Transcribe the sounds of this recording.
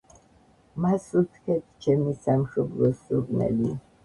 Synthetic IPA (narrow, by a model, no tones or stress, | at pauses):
masut̪ʰkʰɛt̪ʰt͡ʃʰɛmisamʃɔblɔsuɾkʼnɛ̰li